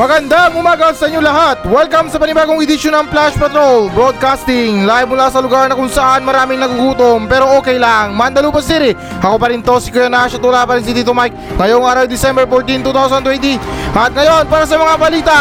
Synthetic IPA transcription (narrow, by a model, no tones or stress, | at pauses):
mɐɡɐnd̪aŋʊmaːɡɐsɐʔiɲːolɐɦat̪̚wɛlkɐmsɐpɐnɪbaːɡoŋɪd̪ɪʃonɐŋplaʃpɐt̪ɾolbɹod̪̚kast̪ɪŋlaj̚mʊlasɐlʊɡaɾnɐkʊŋsɐʔanmɐɾaːmɪŋnɐɡuɡuːt̪ompɛːɾo̞ʔoːkɛjlaŋmand̪ɐluːpɐsiːɾɪ | ʔɐkopɐɾint̪osɪkojɐnaʃɐt̪olapɐɾins̬it̪it̪omajk̚ŋɐjoŋʔaːɾɐwd̪ɪsɛmbɛɹfoɹt̪int̪uːt̪awsɐnt̪wɛnt̪iʔɐt̪̚ŋɐjo̞npaːɾɐs̬ɐmɐŋabɐliːt̪ɐ